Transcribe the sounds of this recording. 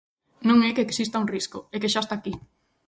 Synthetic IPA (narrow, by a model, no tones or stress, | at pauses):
nõŋekeeksist̪auŋriskoekeʃast̪aːki